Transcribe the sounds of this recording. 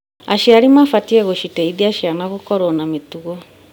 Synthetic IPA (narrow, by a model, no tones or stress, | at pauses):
aʃiaɾimafatiɛɣoʃitɛiðiaʃianaɣokɔɾɔnametuɣɔ